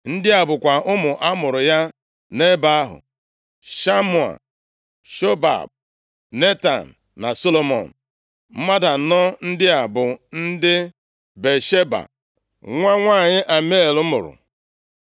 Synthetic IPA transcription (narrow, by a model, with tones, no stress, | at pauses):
n̩˦dɪ˦a˨bʊ˨kʷa˨ʔʊ˦mʊ˨ʔa˦mʊ˨ɾʊ˨ja˦ | ne˦ba˦a˦ɦʊ̰˨ | ʃa˦mu˨a̰˨ | ʃo˦ba̰˨b̚ | ne˦ta̰˨n̩˨ | na˨so˦lo˦mɔ̰˨n̩˨ | m̩˦ma˦da˨nɔ˦n̩˦dɪ˦a˨bʊ˨n̩˦dɪ˦ | be˨ʃe˦ba̰˨ | ŋʷa˦ŋʷaː˦˨ɲɪ˦ʔa˨me˦˨lʊ˦mʊ̰˨ɾʊ̰˨